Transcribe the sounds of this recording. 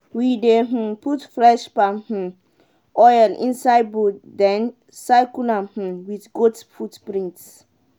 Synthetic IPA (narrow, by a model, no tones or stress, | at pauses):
wideɦ̩putfɹɛʃpamh̩ | ʔɔjlḭ̃nsajd̚budɛ̃n | sajkunãmh̩wiθɡotfutpɹĩŋts